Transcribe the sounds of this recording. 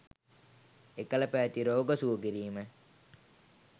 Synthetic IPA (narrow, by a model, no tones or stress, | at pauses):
ekələpæʋæt̪iɾoːɡəsuəɡiɾiːmə